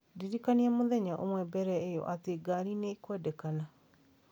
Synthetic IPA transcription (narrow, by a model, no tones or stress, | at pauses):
diɾikaniɛmoðɛɲaʔomwɛbɛɾɛejɔ̰ʔateɡaɾineikwɛdɛkana